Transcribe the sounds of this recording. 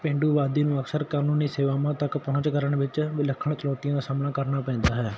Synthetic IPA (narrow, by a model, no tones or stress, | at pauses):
pẽːɳɖuːʋaːd̪iːnũːəksəɾkaːnuːniːseːʋaːmãːt̪əkpɔɦʊ̃ɲt͡ʃkəɾəɳʋɪt͡ʃʋɪləkʰːəɳ̃t͡ʃəlɔːt̪ijãːd̪aːsaːmnaːkəɾnaːpɛ̃ːnd̪aːɦɛː